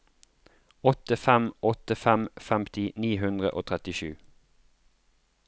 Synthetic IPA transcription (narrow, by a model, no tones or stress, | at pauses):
ɔt̪əfɛmɔt̪əfɛmfɛmt̪ɪniːɦʉnd̪ʁə̰ʔoːt̪ʰʁɛt̪ɪʃʉː